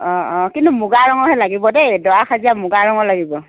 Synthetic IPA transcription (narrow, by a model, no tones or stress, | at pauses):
ɔɔkintumʊɡaɹɔŋɔɦɛlaɡibɔdɛdɔwakʰaziamʊɡaɹɔŋɔlaɡibɔ